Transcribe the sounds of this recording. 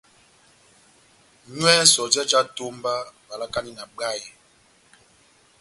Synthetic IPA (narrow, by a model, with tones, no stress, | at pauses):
ɲwɛ˦sɔ˨d͡ʒɛ˦d͡ʒa˦to˦mba˦ba˨la˦ka˦ni˦˨na˨ɡ͡ba˦˨ɛ˨